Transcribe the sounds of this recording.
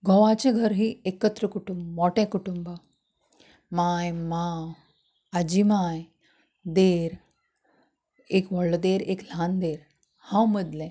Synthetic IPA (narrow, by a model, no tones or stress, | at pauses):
ɡʱɔ̃ʋat͡ɕeɡʱəɾɦiekət̪ɾəkuʈumbmɔʈẽkuʈumbə | majmaw | ad͡ʑimaj | d̪eɾ | ekʋɔɭd̪eɾekl̤and̪eɾ | hãwməd̪lẽ